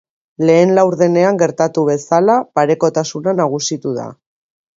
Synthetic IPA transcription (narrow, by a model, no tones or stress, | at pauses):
le̞ːnlawɾðe̞ne̞aŋɡe̞ɾt̪at̪uβe̞salapaɾe̞ko̞t̪asunanaɣ̞usit̪uða̰